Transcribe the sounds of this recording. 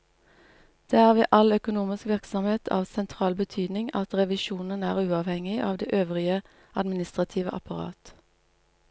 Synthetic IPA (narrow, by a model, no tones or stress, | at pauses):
d̪̥eːæːʁʋḛːʔɑlœkʊnuːmɪskʋɪʁksɔmheːt̪ʰɑ̰ːʋsɛnt̪ʰʁɑːlbət̪ʰyːd̪nɪŋɑt̪ʁɛʋɪʃuːnənæːʁʉːɑːʋhɛŋɪʔɑ̰ːʋd̪eːʔøːʋʁɪə | ɑd̪mɪnɪst̪ʁɑt̪ʰiːʋə̰ʔɑ̰pɑʁɑ̰ːt̪